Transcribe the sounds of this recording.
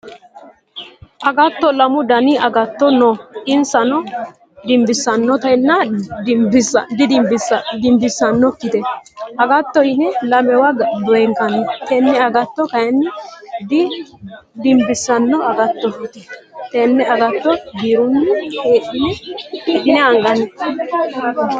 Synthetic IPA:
ʔɐɡɐt̪ːɔlɐmʊd̪ɐnɪɐɡɐt̪ːɔnɔʔɪnsɐnɔ | d̪ɪmbɪsːɐnːɔt̪ɐnːɐbd̪ɪd̪ɪmbɪsd̪ɪmbɪsːɐnːɔkːɪt̪ɛɐɡɐt̪ːɔɪnɛlɐmɛwɐd̪ɔɛŋkɐnɛt̪enːɛɐɡɐt̪ːɔkɐjɛnːɛd̪ɪ | d̪ɪmbɪsːɐnːɔɐɡɐt̪ːɔt̪ɛt̪enːɛɐɡɐt̪ːɔɡiːɾʊnːɛheːɗɪnɛeɗɪnɛɐŋɡɐnɛ

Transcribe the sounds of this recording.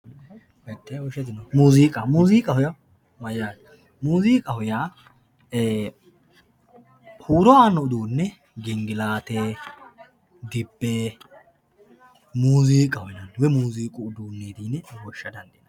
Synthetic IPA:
mɛt̪ʼːɛwɔʃɛt̪ɪnɐmuːziːkʼɐmuːziːkʼɐhɔjɐ | mɐjaːd̪ | muːziːkʼɐhɔja | huːɾɔaːnːɔʊd̪uːnːɛ | ɡɪŋɡɪlaːt̪eː | d̪ɪbːe | muːziːkʼɐhɔjɐnwɛmuːziːkʼʊʊd̪uːnːeːd̪iːnwɔʃːɐd̪ɐnd̪ɛnɐ

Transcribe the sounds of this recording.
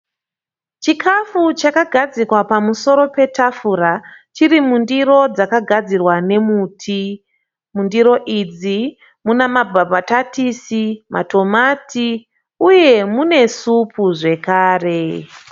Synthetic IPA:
t͡ʃikʰafut͡ʃakaɡʱad͡zikwapamuso̞ɾo̞pe̞tʰafuɾat͡ʃiɾimundiro̞d͡zakaɡʱad͡zirwane̞muːtʰi | mundiɾo̞ʔid͡zi | munamabʱabʱatatisima̰to̞matʰi | uje̞mune̞supʰuʐe̞kaːre̞

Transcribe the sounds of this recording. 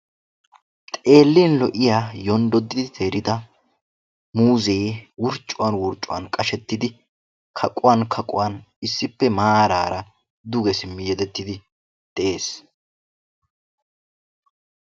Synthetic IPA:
t̪ʼe̞ːlːiːnlɔʔɪjaːjɔnd̪ɔd̪ːɪd̪ɪt̪ʰe̞ːɾɪd̪ɐ | muːze̞ːwʊɾt͡ʃʼːʊwaːnwʊɾt͡ʃʼʊwa̰ːnkʼɐʃɛt̪ːɪd̪ɪ | kʰɐkʼʊwaːnkʰɐkʼʊwan | ɪsːɪpːɛmaːɾaːɾɐ | d̪ʊɡɛsɪmːɪjɛd̪ɛt̪ːɪd̪ɪ | d̪̥ɛʔe̞ːs

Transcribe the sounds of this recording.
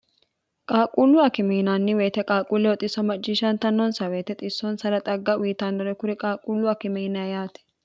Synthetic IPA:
kʼaːkʼuːlːʊɐkɪmenaːnːɪweːt̪ɛkʼaːkʼuːlːɛwɔt̪ʼːɪsɐmɐt͡ʃʼːɪʃɐnt̪ɐnːɔnsɐweːt̪ɛt̪ʼɪsːɔnsɐɾɐt̪ʼɐɡːɐwiːt̪ɐnd̪ɔɾɛkʊɾɪkʼaːkʼulːʊɐkɪmɛnɐjaːt̪ɛ̥

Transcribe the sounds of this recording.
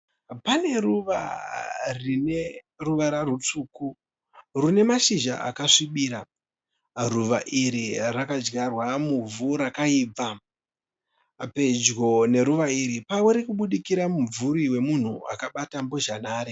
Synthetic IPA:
pane̞ruʋa̰ | rine̞ | ruʋaɾaɾut͡suːku | rune̞maʃiʒa̰ʔa̰kaʂiɓiɾa | ruʋaʔiɾirakad͡ʒɡarwamuvuɾakaiːb͡va | pe̞d͡ʒɡo̞ne̞ɾuʋaiɾipaweɾikuɓuɗikiɾamumvuɾiwe̞mun̤ua̰kaɓatambo̞ʒanaːɾe

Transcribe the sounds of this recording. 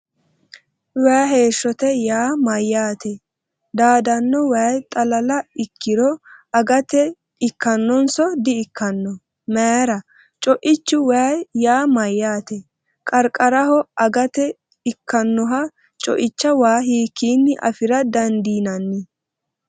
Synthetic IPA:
wɛːɦe̞ːʃːɔt̪ɛjaːmɐjːaːt̪ɛ | d̪aːd̪ɐnːɔwajt̪ʼɐlɐlɐɪkːɪɾɔɐɡɐt̪ɛ | ɪkːɐnːɔnsɔd̪ɪɪkʰːɐnːɔ | mɛːɾɐ | t͡ʃʼɔʔɪt͡ʃːʊwajaːmɐjːaːt̪ɛ | kʼɐɾkʼɐɾɐhɔɐɡɐt̪ɛ | ɪkːɐnːɔɦɐ | t͡ʃʼɔ̰ʔɪt͡ʃːɐwaːɦiːkːiːnːɪʔɐ̰fɪɾɐd̪ɐnd̪iːnɐnːɪ

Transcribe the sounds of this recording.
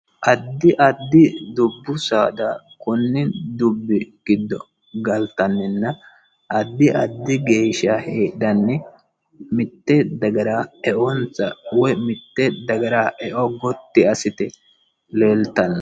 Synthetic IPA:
ʔɐd̪ːɪʔɐd̪ːɪd̪ʊbːʊsaːd̪ɐ | kʊnːɪd̪ʊbːɪɡ̥ɪd̪ːɔ̰ | ɡɐlt̪ɐnːɪnːɐ | ʔɐd̪ːɪʔɐd̪ːɪɡeːʃɐheːd̪ɐnːɛ | mɪt̪ːɛd̪ɐɡɐɾaːɛʔɔnt͡sɐwɛmɪt̪ːɛd̪ɐɡɐɾaːʔɛʔɔɡɔt̪ːɪɐsɪt̪ɛ | leːlt̪ɐnːɐ

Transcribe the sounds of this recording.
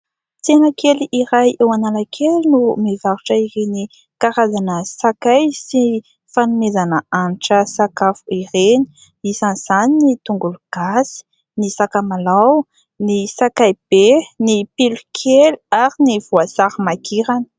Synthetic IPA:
t͡senakʰeliʔiɾajewananakʰelinumivaɾuʈ͡ʂəiɾeni | kaɾazanəsakajsi | fanumezanəanʈ͡ʂəsakafuiɾeni̥ | isanz̥aninit̪uŋɡuluɡ̥asi̥ | nisakamalaw | nisakajb̥enipilukʰelaɾiniv̥uasaɾimakʰiɾanə̥

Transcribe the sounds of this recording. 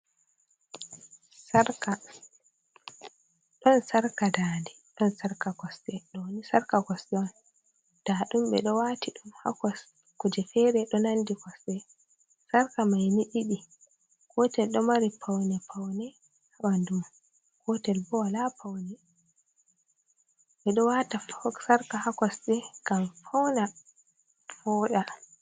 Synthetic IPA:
saɾka | ɗɔnsaɾkadaːndɛ | ɗɔnsaɾkaɡɔsɗɛɗɔwnisaɾkaɡɔsɗɛɔn | d̥aɗumɓɛ̰ɗɔwatiɗumha̰kɔs | kud͡ʒɛfɛɾɛɗɔnandikɔsɗɛ | saɾkamajniɗiɗi | kɔtɛlɗɔmaɾipʰawnɛpʰawnɛ | hawandum | kɔtɛlbɔwalapʰawnɛ | ɓɛɗɔwatafsaɾkahakɔsɗɛɡ̥amfɔwna | fɔːɗa

